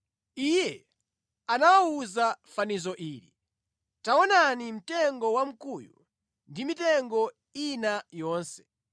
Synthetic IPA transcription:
ijɛ | anawauzafanizɔʔiːɾḭ | taɔnanim̩tɛŋɡɔwam̩kujṵ | ndimitɛŋɡɔ | inajɔːnsɛ̥

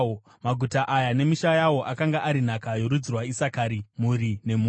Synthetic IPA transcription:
maɡʱutaʔajane̞miʃajawo̞ʔakaŋɡaʔaɾin̤akajo̞ɾud͡zirwaisakaɾimuɾine̞mu

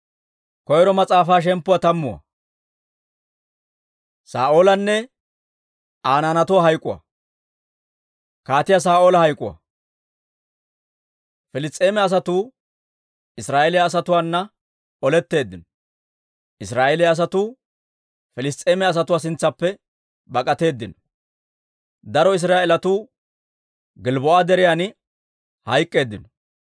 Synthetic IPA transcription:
kɔjɛɾɔmɐt͡sʼaːfaːʃ̬ɛmpːʊwat̪ɐmːʊwɐ̰ | saːʔoːlɐnːɛ | ʔaːnaːnɐt̪ʊwaːɦɐjkʼːʊwɐ̰ | kaːt̪ɪjas̬aːoːlɐhɐjkʼːʊwɐ̰ | fɪlɪst̪ʼːeːmɛɐs̬ɐt̪uː | ɪsɾaːʔɛlɪjaːs̬ɐt̪ʊwaːnːɐ | ɔlɛt̪ːe̞ːd̪ːɪnɔ | ʔɪsɾaːʔɛlɛjːs̬ɐt̪uː | fɛlɪst̪ʼːe̞ːmɛɐs̬ɐt̪ʊwaːs̬ɪnt͡sːɐpːɛ | bɐkʼɐt̪e̞ːd̪ːɪnɔ̥ | d̪ɐɾɔɪs̬ɾaːʔɛlɐt̪uː | ɡɪlbɔʔad̪ɛɾɪjanɪ | hɐjkʼːe̞ːd̪ːɪnɔ

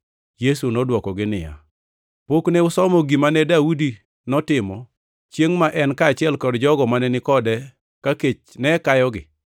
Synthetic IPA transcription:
jesunɔdwɔkɔɡɪnɪja̰ | pokneʊsɔmɔɡimanɛdaudi | nɔtɪmɔ | t͡ʃjeŋmaʔɛnkaːt͡ʃɪɛlkɔdd͡ʒɔɡɔmanɛnɪkɔdɛ | kaket͡ʃnɛkajɔɡɪ

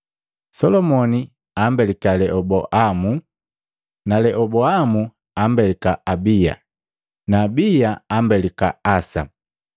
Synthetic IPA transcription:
sɔlɔmɔni | ambɛlikalɛʔɔbɔʔamu | nalɛʔɔbɔamu | ambɛlikaabija̰ | naːbijaambɛlikaasa̰

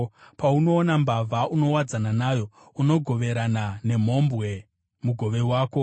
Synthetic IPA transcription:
pauno̞ːnambavʱauno̞wad͡zananajo̞ | uno̞ɡʱo̞ʋe̞ɾanane̞m̤o̞mbɣe̞ | muɡʱo̞ʋe̞waːko̞

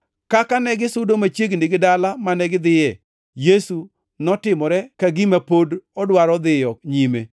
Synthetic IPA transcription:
kakanɛɡɪsʊdomat͡ʃjeɡnɪɡɪdalamanɛɡɪd̪ɪjɛ | jesu | nɔtɪmɔɾɛkaɡimapodɔdwaɾɔd̪ɪjɔɲime

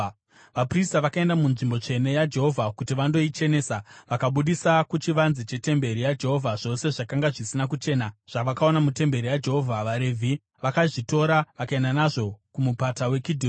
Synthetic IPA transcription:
ʋapristaʋakae̞ndamunʐimbo̞t͡ʂe̞ne̞jad͡ʒe̞ɦo̞vʱakutiʋando̞it͡ʃe̞ne̞ːsaʋakaɓuɗisakut͡ʃiʋanzit͡ʃe̞te̞mbe̞ɾijad͡ʒe̞ɦo̞vʱaʐo̞se̞ʐakaŋɡaʐisinak̬ut͡ʃe̞ːnaʐ̥aʋakao̞namute̞mbe̞ɾijad͡ʒe̞ɦo̞vʱaʋaɾe̞vʱi | ʋakaʐito̞ɾaʋakaendanaʐo̞kumupatawe̞kidʱi

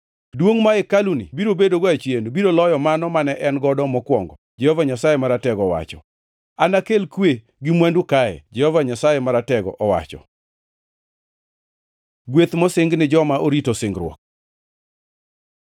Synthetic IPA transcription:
dwoŋmaɛkalunɪ̰biɾobedoɡat͡ʃjenbiɾolɔjɔmanɔmanɛʔɛnɡɔdɔmɔkwɔŋɡɔ | d͡ʒɛhɔvaɲasajemaɾatɛɡɔwa̰t͡ʃɔ̰ | anakelkwe | ɡɪmwandukajɛ̰d͡ʒɛhɔvaɲasajɛmaɾatɛɡɔ̰ʔɔwa̰t͡ʃɔ̰ | ɡwet̪mɔsɪŋɡnɪd͡ʒɔmaʔoɾitosɪŋɡɾwɔ̰k̚

